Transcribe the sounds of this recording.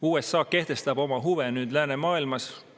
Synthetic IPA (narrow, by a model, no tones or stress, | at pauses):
uːesːɑːke̞ht̪e̞st̪ɑbo̞mɑɦuvenyːd̪̥læːne̞mɑːilmɑs